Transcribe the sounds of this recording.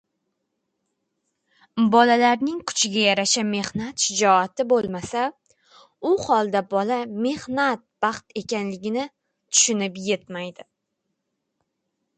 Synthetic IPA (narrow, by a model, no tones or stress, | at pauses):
bɒlalaɾnɪŋkʰʊ̥t͡ʃʰɪɡʲajaɾaʃame̞hnat̪ʃɪd͡ʒɒat̪ɪbolˠmasa | ʊhɒlˠd̪abɒlame̞hnat̪̚b̥ɑqt̪e̞kʲanlɪɡʲɪnɪ | t̪ʰʊ̥ʃʊnɪpje̞t̪majd̪ɪ